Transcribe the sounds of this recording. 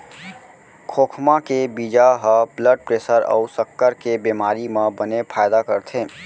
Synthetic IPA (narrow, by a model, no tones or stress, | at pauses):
kʰoːkʰmãkebid͡ʒaɦəbləɖ̚pɾeːsəɾɔ̰ʊsəkːəɾkebeːmaːɾimãbənepʰaːjd̪akəɾt̪ʰẽː